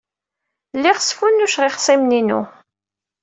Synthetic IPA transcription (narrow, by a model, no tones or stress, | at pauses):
lːiʁəsfunːuʃʁiχsimninṵ